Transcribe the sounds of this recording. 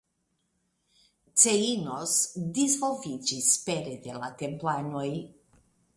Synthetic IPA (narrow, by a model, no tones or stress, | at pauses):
t̪seinosd̪izvovit͡ʃispeɾed̪elat̪emplanoj